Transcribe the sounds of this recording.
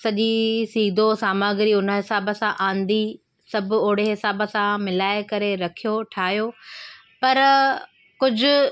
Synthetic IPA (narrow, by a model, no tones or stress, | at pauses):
sɐʄisiːd̪ʱosaːmaːɡɾiʊnə̆ɦɪsaːbəsãʔãːn̆d̪i | sɐbʱʊoːɽ̤eɦɪsaːbəsãmɪlaːɪkɐɾeɾɐkʰijoʈʰaːɦjo | pɐɾ | kʊd͡ʑʱʊ̆